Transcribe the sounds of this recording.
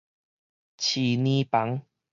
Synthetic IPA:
t͡ɕʰi˨˩nĩ˦pa˨˦ŋ

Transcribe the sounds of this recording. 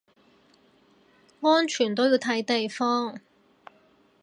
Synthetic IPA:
ŋɔː˥nt͡ʃʰyː˨˩nt̪o˥wjiː˧wt̪ʰɐ˨˥jt̪e˨jfɔː˥ŋ

